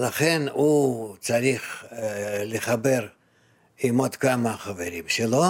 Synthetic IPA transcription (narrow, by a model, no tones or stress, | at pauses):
laχenusaɾiχ | lʲɪχabe̞r | imod̪kamɐχɐveɾʲimʃelo